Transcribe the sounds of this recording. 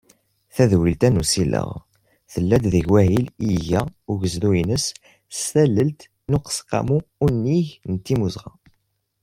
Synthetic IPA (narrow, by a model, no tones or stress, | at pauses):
θæðwilt̪ænusilə̰ʁ | θəlːæd̪ðəʝwæɦiliʝæʊʝəzðuinəs | ssæləlt̪ | nuqə̥sqɑ̰muːnːiçnət̪ːimuzʁɑ̰